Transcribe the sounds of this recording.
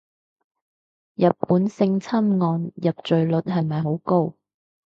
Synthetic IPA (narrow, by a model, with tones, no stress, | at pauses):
jɐ˨t̚pːuː˨˥nsɪ˧ŋt͡sʰɐ˥mŋɔː˧njɐ˨p̚t͡ʃɵ˨ɥlɵ˨˥t̚hɐ˨jmɐ˨jɦo˨˥wko˥w